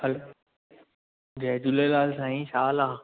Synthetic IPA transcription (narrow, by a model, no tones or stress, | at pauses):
hɐlo | d͡ʑɐɦd͡ʑʊlelaːlsãːĩʃaːlaː